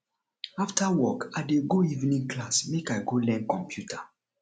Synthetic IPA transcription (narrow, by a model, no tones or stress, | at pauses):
aftʰawɔkadeɡoivnĩŋklasmekaɪɡolɛ̃nkɔ̃mpʰjutʰa